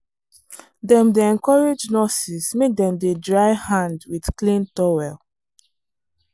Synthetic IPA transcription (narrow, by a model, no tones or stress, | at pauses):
dɛ̃mdeɛ̃nkɔɹed͡ʒnɔsismek̚dɛ̃mdedɹaɪhãndwidklĩntɔwɛl